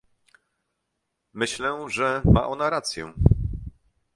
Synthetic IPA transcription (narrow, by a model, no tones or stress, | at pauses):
mɘɕlɛʐɛmaʔɔnaɾat̪sʲjɛ̰